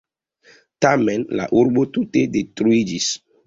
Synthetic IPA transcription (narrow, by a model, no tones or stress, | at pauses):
tamɛ̃nla̰ʔuɾbotutedetɾuid͡ʒis